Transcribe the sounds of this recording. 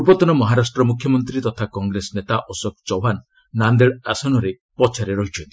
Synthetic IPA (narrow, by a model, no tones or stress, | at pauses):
uɾbɔt̪ɔnɔmɔɦaɾasʈɾɔmukʰjɔmɔnt̪ɾit̪ɔt̪ʰakɔŋɡɾesɔnet̪aʔɔsɔkt͡ʃɔwɦanː | and̪eɭasɔnɔɾe | pɔt͡ʃʰaɾeɾɔɦit͡ʃʰɔnt̪ii̥